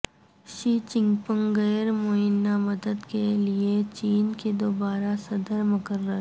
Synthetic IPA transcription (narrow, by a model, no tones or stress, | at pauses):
ʃiːt͡ʃɪ̃ŋɡpə̃ŋɡəːɾmoɦɪnːamɐd̪əd̪keliet͡ʃiːnked̪oːbaːɾasɐd̪əɾmɐkəɾːəɦ